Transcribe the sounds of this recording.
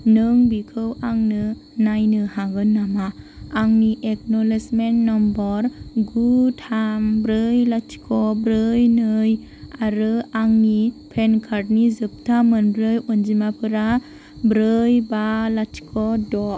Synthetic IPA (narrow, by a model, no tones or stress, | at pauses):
nɯŋbikʰɯwaŋnɯ | najnɯhaɡɯnːamaːŋniʔeknɔlesmentnɔmbɔɾɡutʰambɾɯjlatʰi̥kʰɔbɾɯjnɯj | aɾɯaŋnipʰenkʰaɾt̚nizɯp̚tʰamɯnbɾɯjɔnd͡ʒimapʰɯɾa | bɾɯjbalatʰi̥kʰɔdɔ